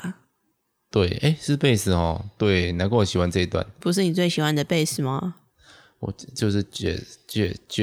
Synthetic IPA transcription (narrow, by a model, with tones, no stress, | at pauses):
t̪we˥˩ɪʔe˥˦ɪʂɻ̩˥˧pe˥˧ɪsɹ̩˥˩xɔ̰˨˩t̪we˥˩ɪna˧˥nko˥˩˨ɕi˨˩xwa˧˦nt͡sɤ˥˧i˧t̪wa̰˥˨npu˧˥ʂ̬ɻ̩˥˩ni˨˩t͡swe˥˩ɪɕi˨˩xwa˥nd̪ə˩pe˥˧ɪsɹ̩˥˩ma˨ | wɔ̰˨˩t͡ɕjo˥˧ʊʂɻ̩˥˨t͡ɕɛ̰˥˩t͡ɕɥɛ̰˥˧t͡ɕ